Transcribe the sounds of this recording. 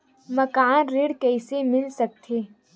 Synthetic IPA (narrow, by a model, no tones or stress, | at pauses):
mɐkaːnɾɪɽkɛːsemɪlsɐk̚t̪ʰeː